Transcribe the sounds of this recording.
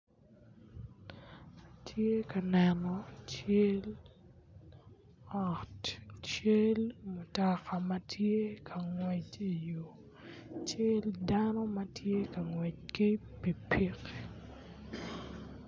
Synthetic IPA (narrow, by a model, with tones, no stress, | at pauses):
a˨tʰje˦ka˨nɛ˨nɔ˨t͡ʃe˦l | ɔ˨tt͡ʃe˦lmʊ˨tɔ˨ka˨ma˦tʰje˦kʰa˨ŋwɛ˨t͡ʃi˨jo˨ | t͡ʃe˦ldanɔ˦mɐ˦tʰje˦ka˨ŋwɛ˨t͡ʃ̚kɪ˦ | pi˨pʰi˦k